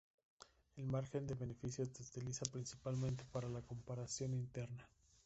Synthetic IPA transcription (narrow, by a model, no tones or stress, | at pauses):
e̞lmaɾxe̞nd̪e̞βe̞ne̞fisjo̞sseut̪ilisapɾinsi̥palmẽ̞nt̪e̞̥paɾalako̞mpaɾasjo̞nint̪e̞ɾna